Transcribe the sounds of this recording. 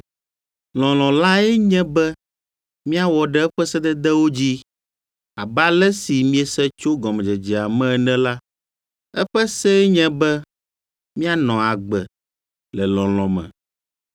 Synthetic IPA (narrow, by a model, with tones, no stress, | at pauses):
l̃ɔ̃˨l̃ɔ̃˨la˦ɛ˦ɲɛ̃˦bɛ˦ | mĩ˦a˦wɔ˨ɖɛ˦ɛ˦ɸɛ˦sɛ˦d̪ɛ˦d̪ɛ˦wo˦d͡ʑi˦ | a˨ba˦lɛ˦si˨mĩ˦ɛ˨sɛ˦t͡ʃo˦ɡɔ̃˨mɛ˨d͡ʒɛ˨d͡ʒɛ˨a˨mɛ̃˦˨nɛ̃˦la˦ | ɛ˦ɸɛ˦sɛ˦ɛ˦ɲɛ̃˦bɛ˦ | mĩ˦a˦nɔ̃˨a˨ɡ͡bɛ˨ | lɛ˨lɔ̃˨lɔ̃˨mɛ̰̃˨